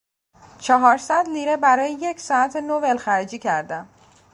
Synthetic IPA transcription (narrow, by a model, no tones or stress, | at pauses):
t͡ʃʰɒɦɒːɾsæd̪liːɾebæɾɒːjeje̞cʰsɒːæt̪ʰenovelxæɾid͡ʒiːcʰæɾd̪æm